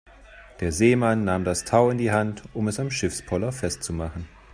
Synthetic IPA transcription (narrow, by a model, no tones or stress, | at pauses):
d̥eːɐzeːmanːaːmdastʰaʊɪndiːɦantʊmɛsamʃɪfspʰɔlɐfɛstt͡sumaχn̩